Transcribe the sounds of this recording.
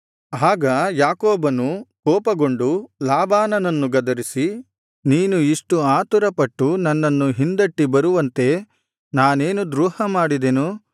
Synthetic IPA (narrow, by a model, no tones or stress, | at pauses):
aːɡɐjaːkɔːbɐnukɔːpɐɡo̞ɳɖulaːbaːnɐnɐnːuɡɐd̪ɐɾisi | niːnuiʂʈuaːt̪uɾɐpɐʈːunɐnːɐnːuɦind̪ɐʈːibɐɾuʋɐnt̪e̞ | naːne̞ːnud̪ɾuːhɐmaːɽid̪enu